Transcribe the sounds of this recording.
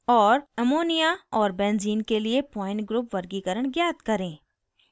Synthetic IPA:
ɔːɾɛmoːnijaɔːɾbɛ̃ːnziːnkeliepɔːɪ̃ɳʈɡɾuːpʋɐɾɡikəɾəɽ̃ɡjaːt̪kɐɾẽː

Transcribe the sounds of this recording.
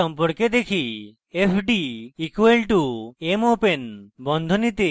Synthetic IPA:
ɔmpɔɾked̪ekʰi | epʰɖiikwelʈuemopenbɔnd̪ʱɔnit̪e

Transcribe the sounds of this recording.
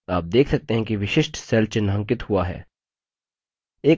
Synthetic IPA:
a̰ːp̚d̪eːkʰsɐk̚t̪eɦɛ̃kiʋɪʃɪʃʈsɛːlt͡ʃɪnːɦə̃ŋkɪt̪hʊaɦɛ̰ː | eː

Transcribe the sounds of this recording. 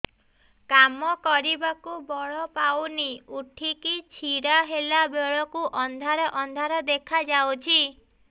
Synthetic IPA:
kamɔkɔɾibakubɔɭɔpawniuʈʰikit͡ʃʰiɾaɦelabeɭɔkuʔɔnd̪ʱaɾɔʔɔnd̪ʱaɾɔd̪ekʰad͡ʒawt͡ʃʰi

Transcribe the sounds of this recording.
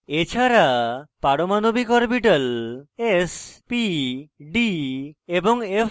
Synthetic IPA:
et͡ʃʰaɾapaɽomanobikɔɾpiʈalespiɖiebɔŋepʰ

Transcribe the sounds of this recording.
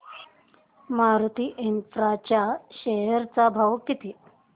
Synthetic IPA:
maɾt̪iːʔinfɾat͡ɕjaɕeɦəɾt͡sabʱawkit̪iː

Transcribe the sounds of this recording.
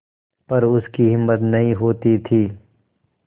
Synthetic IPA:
pɐɾʊskiɦɪmːət̪nɐɦĩɦoːt̪it̪ʰiː

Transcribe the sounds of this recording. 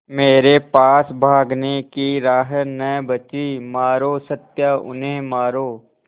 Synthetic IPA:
meːɾepaːsbʱaːɡnekiɾaːɦənəjbət͡ʃimaːɾoːsət̪jaʊ̰nẽmaːɾoː

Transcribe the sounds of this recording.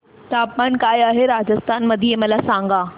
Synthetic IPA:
t̪aːpmaːnkaːjaːɦeɾaːd͡ʑəst̪ʰaːnmɐd̪ʱiemɐlasãːŋɡaː

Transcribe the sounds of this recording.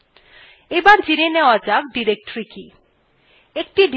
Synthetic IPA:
ebaɾd͡ʑineneoad͡ʑak̚ɖiɾek̚ʈɾiki | ek̚ʈiɖ

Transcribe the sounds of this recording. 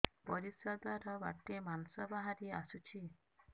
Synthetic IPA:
pɔɾisɔd̪ɔɾɔba̰t̪emansɔbaɦaɾia̰sut͡ʃʰi

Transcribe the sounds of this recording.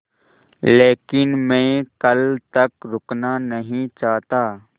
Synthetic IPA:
leːkɪnmɛ̃ːkəlt̪ɐkɾʊknanəɦĩt͡ʃaːɦt̪aː

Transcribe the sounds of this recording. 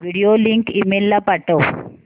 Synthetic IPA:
ʋiɽijoliŋkimelːapɐʈow

